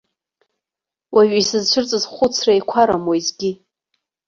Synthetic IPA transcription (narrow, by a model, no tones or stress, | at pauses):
waɥisɨzt͡ʃʷʰʊrt͡sʼɨzχʷʊt͡sʰraikʷʰaɾamojzɡʲi